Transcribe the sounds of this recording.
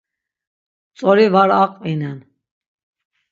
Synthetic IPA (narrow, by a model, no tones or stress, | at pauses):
t͡sʼɔɾivaɾaqʼinɛn